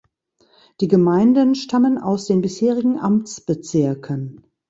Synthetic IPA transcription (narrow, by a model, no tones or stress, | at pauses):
d̥iːɡəmaɪndənʃtʰaməna̰ʊsd̥eːnbɪsheːʁ̞ɪɡŋ̩ʔamt͡sb̥ət͡sɪɐkʰən